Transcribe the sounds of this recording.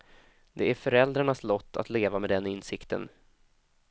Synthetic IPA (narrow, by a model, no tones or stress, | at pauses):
d̪ɛæɾfœɾɛld̪ɾaɳaslɔt̪ʰːa̰t̪leːvamɛd̪ɛnɪnsɪkt̪ʰə̰n